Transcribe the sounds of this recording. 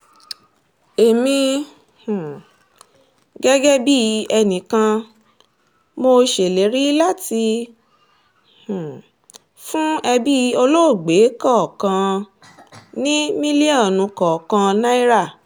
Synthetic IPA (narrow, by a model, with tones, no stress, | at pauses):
e˨mĩ˧ | hũ˨ | ɡɛ˦ɡɛ˦bi˦˧ɛ˧nĩ˨kã˧ | mo˧ʃe˨le˨˦ɾi˦la˦˨ti˧ | hũ˨ | fũ˦ɛ˧bi˦˧˦o˧lo˦o˦˨ɡ͡be˨˦kɔ˦˨kã˧ | nĩ˦mĩ˦li˦ɔ˦˨nũ˨˧kɔ˨kã˧nã˦i˦ɾa˦˨